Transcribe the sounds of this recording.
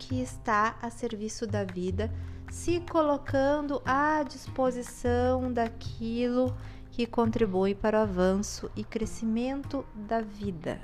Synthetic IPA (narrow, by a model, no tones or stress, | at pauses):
kʰɪːst̪aɐseɾvisʊd̪ɐvid̪ɐsɪkolokɐ̃nd̪ʊʔad͡ʒispozisɐ̃w̃d̪akʰilʊ | kɪkõnt̪ɾibujpaɾʊavɐ̃sʊʔɪkɾesimẽnt̪ʊd̪ɐvid̪ɐ̰